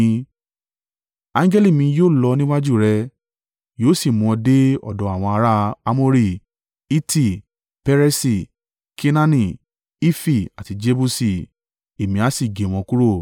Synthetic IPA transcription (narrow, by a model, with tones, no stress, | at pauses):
ã˦ŋ˦ɡɛ˦li˦˨mĩ˧joː˦˨lɔ˧nĩ˦wa˦d͡ʒu˦˨ɾɛ˧ | joː˦si˦˨mũ˨˧de˦ɔ̰˨dɔ˨˦a˨w̃ɔ̃˧a˧ɾa˦a˧˦mo˦ɾi˦˨ | i˦ti˦˨ | pɛ˦ɾɛ˦si˨ | kʰe˦nã˦nĩ˦˨ | i˦fi˦˨a˨ti˨˧d͡ʒe˧˦bu˦si˦˨ | e˨mĩ˧a˨˦si˦˨ɡe˨w̃ɔ̃˧ku˦ɾo˦˨